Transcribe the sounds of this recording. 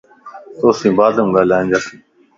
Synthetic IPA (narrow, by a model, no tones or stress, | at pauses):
t̪oːsĩːbaːd̪ũːɡaːlãːnd͡ʒaːsĩː